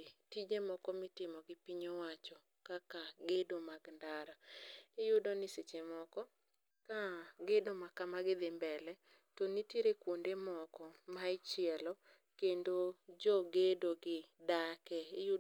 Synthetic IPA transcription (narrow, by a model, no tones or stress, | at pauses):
tid͡ʒemɔkɔmɪtɪmɔɡɪpiɲowat͡ʃɔ | kakaɡedomaɡndaɾaɪjʊdɔnɪset͡ʃemɔkɔ | kaɡedomakamaɡɪd̪ɪmbɛlɛ | tɔnitiɾekwondemɔkɔmaɪt͡ʃjɛlɔ | kendod͡ʒɔɡedoɡɪdakɛɪjʊ